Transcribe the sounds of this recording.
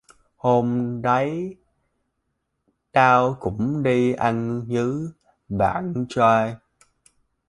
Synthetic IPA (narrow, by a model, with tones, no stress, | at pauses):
ho˧mɗə˨˦j | t̪aː˧wkʊ̰˧˩˥ŋ͡mɗi˧ʔa˧jŋzɨ˨˦ | ɓa̰ː˧˨nt͡ɕa˧j